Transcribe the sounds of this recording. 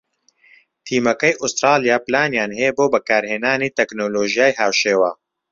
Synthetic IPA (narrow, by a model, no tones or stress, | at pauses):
t̪ʰiːmɐkɛjʔust̪ɾaːlijaːplaːnjaːnɦeːboːbɐkaːɾheːnaːniːt̪ɛknoːloːʒijaːjɦaːwʃeːwaː